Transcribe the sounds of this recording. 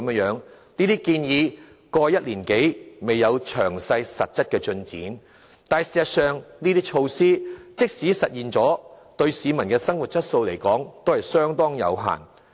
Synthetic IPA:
m˥ŋjœː˨˥ŋ | niː˥t̪iː˥kiː˧njiː˨˧ | kɔː˧jɐ˥t̚liː˨˩nke˨˥jme˨jːɐ˨˧wt͡ʃʰœː˨˩ŋsɐ˧jsɐ̰˨t̚t͡sɐ˥t̚kɛː˧t͡ʃɵ˧nt͡sḭː˨˥n | t̪aː˨nsiː˨sɐ˨tsœː˨ŋniː˥t̪iː˥k̚t͡ʃʰo˧wsiː˥t͡sɪ˥k̚siː˨˥sɐ˨t̚jiː˨nt͡sɔː˨˥t̪ɵ˧ɥsiː˨˧mɐ˨˩nkɛː˧sɐ˥ŋwu˨t̚t͡sɐ˥t̚so˧wle˨˩jkɔː˨˥ŋt̪o˥whɐ˨jsœː˥ŋt̪ɔː˥ŋjɐ̰˨˧wɦa̰ː˨˩n

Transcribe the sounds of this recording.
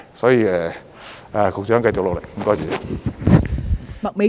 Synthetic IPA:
sɔː˨˥jiː˨˧ɛː˨˩ | ʔɛː˨˩kʊ˨k̚t͡ʃœː˨˥ŋkɐ˧jt͡ɕo˨klo˨wle˨˩jkɔː˥jt͡ɕyː˨˩˨ | mɐ˨k̚me˨˥

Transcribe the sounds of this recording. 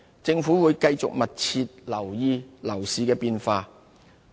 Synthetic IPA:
t͡sɪ˧ŋfuː˨˥wuː˨˧jkɐ˧jt͡sʊ̰˨k̚mɐ˨t̚t͡sʰiː˧t̚lɐ˨˩wjiː˧lɐ˨˩wsiː˨˩kɛː˧piː˧nfaː˧

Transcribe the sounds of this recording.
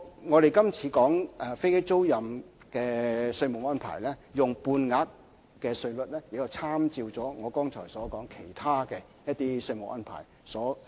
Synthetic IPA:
ŋɔː˨˧ɾe˨jkɐ˥mt͡sʰiː˨˧kɔː˨˥ŋɛ˨˩fe˥jke˥jt͡so˥wjɐ˨m | kɛː˧sɵ˧ɥmo˨wɔː˥npʰa̰ː˨˩jlɛ˥jʊ˨˩ŋpuː˧nŋaː˨˥t̚ | kɛː˧sɵ˧ɥlɵ˨t̚lɛː˥jɪ˨k̚jɐ˨˩wt͡sʰaː˥mt͡siː˧wt͡sɔː˨˥ŋɔː˨˧kɔː˥ŋt͡ʃʰɔ̰ː˨˩jsɔː˨˥kɔː˨˥ŋkʰe˨˩jt̪ʰaː˥kɛː˧ | jɐ˥t̚t̪iː˦˥sɵ˧ɥmo˨kʔɔː˥npʰa̰ː˨˩j | sɔː˨˥

